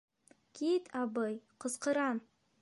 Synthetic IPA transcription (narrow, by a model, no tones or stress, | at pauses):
kʰʲit̪ʰɑbɤjqʰəzqəɾɑn